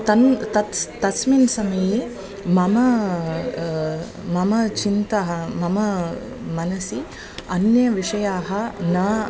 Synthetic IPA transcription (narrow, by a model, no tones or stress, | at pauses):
t̪ɐnt̪ɐt̪t̪ɐsminsɐmɐje | mɐmɐ | mɐmɐt͡ʃint̪ɐɦɐmɐmɐ | mɐnɐsi | ɐnjɐʋiʂɐjaːɦɐnɐː